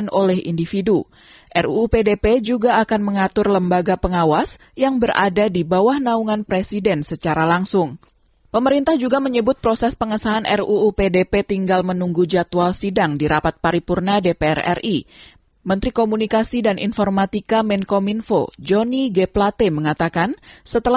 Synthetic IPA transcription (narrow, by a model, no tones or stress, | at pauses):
nolɛhḭndifidu | ʔɛruupedeped͡ʒuɡaːkanməŋat̪ʊrləmbaɡapəŋawas | jaŋbərʔa̰dadibawahnauŋanpɾesidɛnsət͡ʃaɾalaŋsʊŋ | pəməɾint̪ahd͡ʒuɡaməɲəbʊt̪̚pɾosɛspəŋəsaɦanʔɛ̰ruːpedepet̪iŋɡalmənuŋɡud͡ʒat̪ualsidaŋdiɾapat̪̚paɾipurnadepeɛ̰rɛ̰ri | mənt̪ɾikomunikasidanʔḭnfɔrmat̪ikamɛnkominfo̰d͡ʒoniɡɛplat̪eməŋat̪akansət̪əla